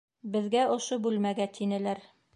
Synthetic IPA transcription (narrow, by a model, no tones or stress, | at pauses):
bɘ̆ðɡæŏʃobʉlmæɡæt̪ʰinɘ̆læɾ